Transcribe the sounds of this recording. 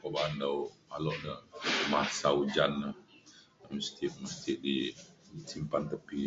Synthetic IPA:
pəbaɦandawmalɔʔnəmasaud͡ʒanːə | məst̪iʔməst̪iʔdi | simpant̪əpi

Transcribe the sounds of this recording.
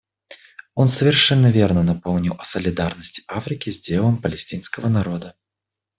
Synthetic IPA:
onsəvʲɪrʂɛnːəvʲernənɐpolˠnʲɪlˠɐsəlʲɪd̪arnəsʲtʲɪ̥ʔafɾʲɪkʲɪzʲdʲelˠəmpəlʲɪsʲtʲinskəvənɐɾo̞d̪ə

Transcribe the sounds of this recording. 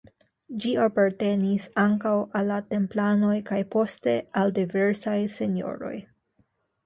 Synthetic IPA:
d͡ʒiapaɾte̞nisaŋkawalːate̞mplano̞jkajpo̞ste̞aldive̞ɾsajse̞no̞̰ɾo̞̰j

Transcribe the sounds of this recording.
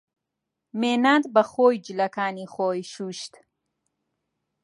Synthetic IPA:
meːnad̪bɐχoːjd͡ʒilɐkaːniχoːjʃuʃt̪

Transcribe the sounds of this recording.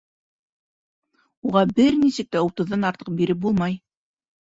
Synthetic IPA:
uʁɑbɘɾnisɘk̚t̪æut̪ɤ̆ðːɑnɑɾt̪ɤ̥q̚biɾɘp̚bulˠmɑj

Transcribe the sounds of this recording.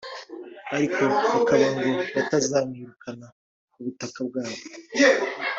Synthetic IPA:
aɾikʰo̞βakaβaŋɡo̞βatazaːmŋiɾukʰana | kuβutakab̚ɡaːβo

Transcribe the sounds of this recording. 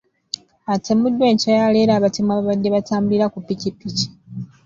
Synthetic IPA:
atʰemudːwe̞ːɲcajale̞ːɾaːβatimwaːβaβadːe̞βataːmbiɾakupːicipːici̥

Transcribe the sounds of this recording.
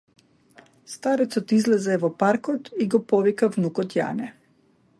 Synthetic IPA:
st̪aɾɛt̪sɔt̪izlɛzɛvɔpaɾkɔt̪iɡɔpɔvikavnukɔt̪ja̰nɛ

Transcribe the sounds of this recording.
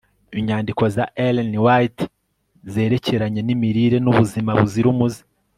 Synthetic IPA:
iɲaːndikozaʔelenwat | ze̞ːɾe̞ce̞ɾaɲe̞nimiɾiɾe̞nuβuzimaβuziɾumuzi̥

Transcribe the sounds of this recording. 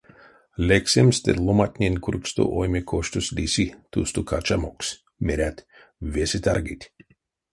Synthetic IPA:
lʲeksʲemst̪ḛlˠomat̪ʲnʲenʲkuɾkst̪o̰ʔojmʲekʰoʃt̪uslʲisʲit̪ust̪ukʰat͡ʃamoks | mʲeɾʲæt̪ʲ | vesʲit̪aɾɡit̪ʲ

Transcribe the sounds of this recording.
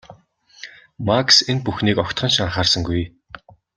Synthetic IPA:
maksenpuxniːkɔkʲt̪χɞ̆nʃaɴχaːrsə̆ŋɡuj

